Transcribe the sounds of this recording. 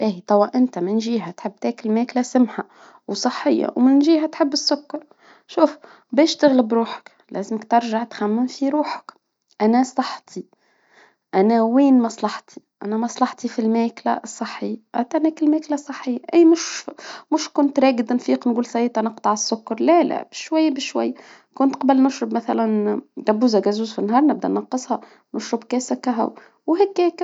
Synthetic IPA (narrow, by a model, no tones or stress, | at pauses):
ʔiːt̪ˤɑwːɑʔɪnt̪amɪnʒiːɦat̪ħɪbːt̪æːkɪlmæːklasɪmħa | wsˤɨħːɪjːa̰wmɪnʒiːɦæt̪ħɪbːɪsːʊkːɑɾˤ | ʃuːf | bɛːʃt̪ɪɣlɪbɾuːħḁk | lʔæ̰ːzɪmɪkt̪ɑɾʒaʕt̪xamːɪmfiɾuːħḁk | ʔænæsˤɑħt̪ʰi | ʔænæwiːnmɑsˤlɑħt̪ʰi̥ʔæ̰næmɑsˤlɑħt̪ˤifilmæːklæ̰sˤːɑħːɪjːʔæ̰t̪ænæːkɪlmæːklæsˤɑħːɪjːaʔæːmʊʃmʊʃkʊnt̪ɾˤeːɡɪd̪nfiːqnɡuːlsˤɑjːt̪ʔænɑqt̪ˤɑʕɑsːʊkːɑɾˤlælæ̰bɪʃwæjːabɪʃwæ̰jːa | kʊnt̪qɑbælnʊʃɾɪbmæθælænd̪æbːuːzæɡæzuːzfinːɦɑːɾˤnɪb̚d̪ænɑqːɨsˤhɑ | nʊʃɾɑbkæːsækːæɦæ̰w | wɦækːæːk